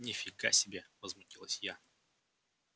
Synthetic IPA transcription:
nʲɪfʲɪɡa̰sʲɪbʲevəzmʊtʲilˠəsʲja

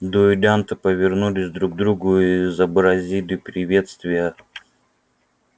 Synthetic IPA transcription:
d̪uɪd̪ʲant̪ɨpəvʲɪrnulʲɪsʲd̪ɾuɡ̚d̪ɾuɡʊizəbɾɐzʲilʲɪpɾʲɪvʲe̞t̪st̪vʲɪjə

